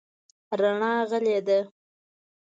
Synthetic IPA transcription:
ɾaɳɑɣəled̪a

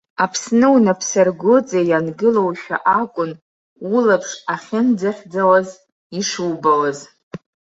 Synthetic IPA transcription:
apʰsnɨwnapʰsarɡʷʊt͡sʼajanɡɨlo̞wʃᶣa̰ʔakʷʼʊn | ulapʰʂaχʲɪnd͡zaχʲd͡zawaz | iʂuwbawaz

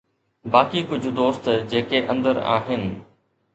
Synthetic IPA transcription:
baːkiːkʊd͡ʑʱʊd̪oːst̪d͡ʑeːkeʔə̃nd̪əɾa̰ːɦɪnɪ̆

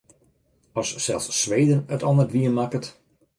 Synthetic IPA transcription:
ɑsːɛlˠsːʋejdənətɔnərʋiənmakət

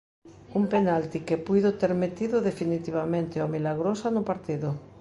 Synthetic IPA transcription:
umpenalt̪ikepujðot̪eɾmet̪iðʊðefinit̪iβamẽnt̪ɪomilaɣɾosanʊpaɾt̪iðʊ

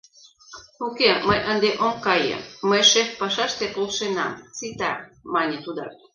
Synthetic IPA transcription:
ukeməjʔənd̪eʔomkɑjḛməjʃefpɑʃɑʃt̪epolʃenɑ̰mt͡sit̪ɑmɑnʲet̪ud̪ɑ̰k

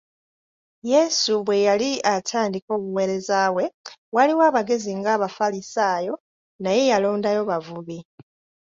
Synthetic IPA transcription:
je̞suβwe̞jaliatʰaːndiko̞ːβuwe̞ɾe̞zaβwe̞waliwaːβaɡe̞ziŋɡaːβafalisaːjo̞ | naje̞jalo̞ːndajo̞βavuβi

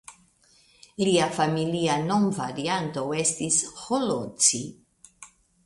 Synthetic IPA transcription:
liafamiliano̞mvaɾiant̪o̞e̞stisholot͡si

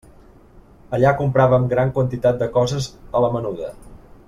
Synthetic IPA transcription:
əʎakumpɾaβəmɡɾaŋkwənt̪it̪at̪̚d̪əkɔzəzələmənuðə

